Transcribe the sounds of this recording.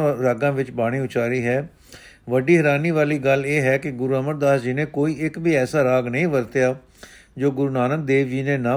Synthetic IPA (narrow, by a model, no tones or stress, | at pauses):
ɾaːɡãːʋɪt͡ʃbaːɽ̃iːʊt͡ʃaːɾiːɦɛː | ʋəɖiːɦəɾaːniːʋaːliːɡəleːɦɛːkɪɡʊɾuːəməɾd̪aːsd͡ʒiːnẽːkoːiːɪkbiːɛːsaːɾaːɡnəĩːʋəɾt̪jaː | d͡ʒoːɡʊɾuːnaːnək̚d̪eːʋd͡ʒiːneːnãː